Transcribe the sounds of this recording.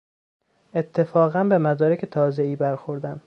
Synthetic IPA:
ʔet̪ʰːe̞fɒːɣænbe̞mæd̪ɒːɾecʰet̪ʰɒːze̞iːbæɾxoɾd̪ænd̪̥

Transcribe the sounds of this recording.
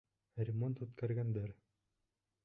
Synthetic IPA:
ɾʲɪmont̪ʉt̪kæɾɡænd̪æɾ

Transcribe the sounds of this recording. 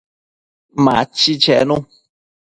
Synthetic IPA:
mã̰t͡ʃit͡ʃɛ̰nũ

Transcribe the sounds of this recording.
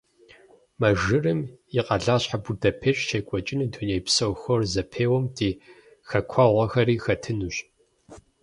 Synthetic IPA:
mɐʒɨrɨmjiqɐɮaːɕħaburdɐpʰeːɕʼʃʰekʷʼɔt͡ʃʼɪnɨtʰonejpsɐwxɔrzɐpʰeːwɔmdʰeː | xɐkʷʰɐʁʷɐxɐɾiːxɐtʰɨnuːɕ

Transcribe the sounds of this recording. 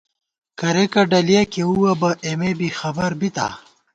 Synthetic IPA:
kɐɾekɐɖɐljakeuwɐbɐʔemebixɐbɐɾbit̪a̰

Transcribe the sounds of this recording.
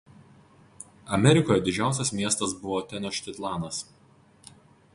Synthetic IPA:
ɐmʲɛɾʲɪkoːjɛd̪ʲɪd͡ʒʲæˑʊsʲɛsmʲiɛst̪ɐsbʊʋoːt̪ʲɛnʲoʃʲt̪ʲɪt̪ʲlˠɑːnɐs

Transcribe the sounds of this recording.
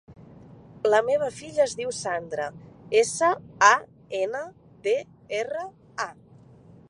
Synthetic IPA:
ləmeβ̞əfiʎəːzðiwsand̪ɾəesəa | enə | be | erə | a

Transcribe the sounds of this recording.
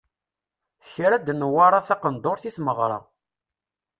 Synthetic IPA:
θçɾæd̪nəwaɾˤɑθɑqənd̪oɾθiθməʁɾˤɑ̰

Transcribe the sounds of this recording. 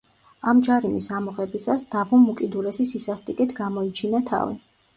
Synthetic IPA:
amd͡ʒaɾimisamɔqʼɛbisasd̪̥avumːukʼid̪uɾɛsisisast̪ʼikʼit̪ʰɡamɔit͡ʃʰinat̪ʰa̰vḭ

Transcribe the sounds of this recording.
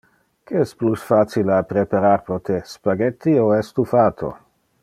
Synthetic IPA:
keɛsplusfaːt͡silapɾepaɾaɾpɾot̪ʰespaɡɛt̪ːioɛst̪ufaːt̪ʰo̰

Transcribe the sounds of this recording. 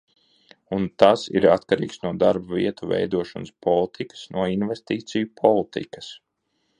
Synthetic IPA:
unt̪asḭɾat̪kaɾḭːksnuɔd̪aɾbavḭɛt̪uvɛ̰jd̪uɔʃɔnspɔlˠit̪ʰikə̥snuɔinvest̪iːt̪sijupʰɔlˠit̪ḭkɐ̥s

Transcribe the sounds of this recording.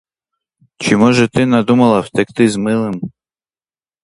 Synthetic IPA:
t͡ʃɪmɔʒɛt̪ɪnad̪umɐlˠɐwt̪ɛk̚t̪ɪzmɪlˠɪm

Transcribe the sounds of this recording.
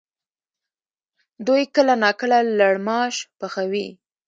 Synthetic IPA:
d̪ujkəlanɑkəlalaɽmɑʃpaxawi

